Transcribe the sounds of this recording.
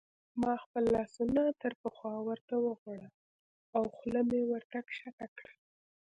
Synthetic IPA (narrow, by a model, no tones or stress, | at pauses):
mɑxpəlːɑsunat̪əɾpəxwɑwəɾt̪awəɣaɽa | awxləmewaɾt̪akʃatakɽə